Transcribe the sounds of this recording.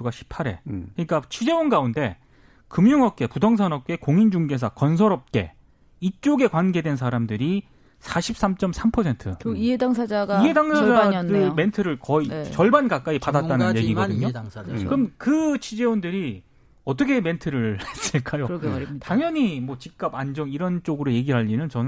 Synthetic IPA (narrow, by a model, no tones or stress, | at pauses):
uɡaɕʰi̥p̚ʰaɾe̞̰kɯɲik͈at͡ɕʰud͡ʑe̞unɡaunde̞ | kɯmɲuŋʌp̚k͈e̞pudʌŋs̬ʰʌnʌp̚k͈e̞koŋind͡ʑuŋɡe̞s̬ʰakʌns̬ʰʌɾʌp̚k͈e̞̰ | it͡ɕ͈oɡe̞kwanɡedwe̞nsʰaɾamdɯɾi | sʰaɕʰip̚s͈amt͡ɕ͈ʌmsʰampʰʌsʰe̞ntʰɯiedaŋsʰaaɡiɦe̞daŋsʰad͡ʑadɯme̞ntʰɯɾɯɭkʌit͡ɕʌɭbankak͈aipadatt͈anɯnje̞ɡiʌdɯɲokɯmkɯt͡ɕʰid͡ʑe̞undɯɾi | ʌt̬͈ʌkʰe̞me̞ntʰɯɾɯɭhe̞s͈ɯɭk͈ajotaŋjʌɲimwʌt͡ɕik̚k͈aband͡ʑʌŋiɾʌnt͡ɕ͈oɡɯɾoje̞ɡiɾɦaʎːinɯnt͡ɕʌnɯn